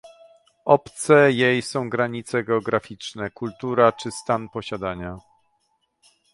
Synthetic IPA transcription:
ɔpt̪sɛjejsɔ̃w̃ɡɾaɲit̪sɛɡɛɔɡɾafʲit͡ʂnɛkult̪uɾat͡ʂɘst̪anpɔɕad̪aɲa

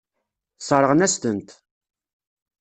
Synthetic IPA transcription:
sˤəɾˤəʁnæst̪ənt̪

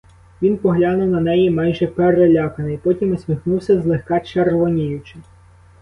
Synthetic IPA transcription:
ʋʲinpɔɦlʲɑnʊwnɐnɛjimɑjʒɛpeɾelʲɑkɐnɪjpɔtʲimɔsʲmʲixnuwsʲɐzlˠɪxkɑt͡ʃerʋɔnʲijʊt͡ʃɪ

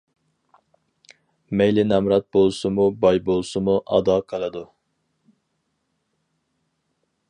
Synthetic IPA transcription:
mɛjlɪnɛmɾɑt̪̚bolˠsumubɑjbolˠsumuʔɑ̰d̪ɑːkʰɑlˠɨd̪u

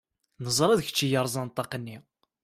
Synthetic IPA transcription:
nəzˤɾˤæðçə̥t͡ʃːijəɾˤzˤɑnt̪ˤːɑqənːi

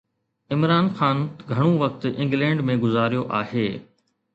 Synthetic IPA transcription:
ɪmɾaːnxaːnɡʱɐɽ̃õʋɐk̚t̪ɪ̃ŋɡlɛ̃ːɳɖmẽɡʊzaːɾijoʔaːɦeː

